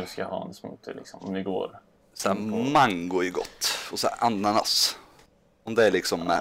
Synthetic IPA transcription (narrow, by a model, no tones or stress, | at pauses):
skahɑ̰ːɛnsmṵːt̪ʰə̰lɪksɔmɪɡo̰ːɾ | sæːmaŋɡʊɪɡɔ̰t̪ːɔsæ̰ʔanːana̰s | ɔmd̪ɛæɭɪksɔmːɛ̰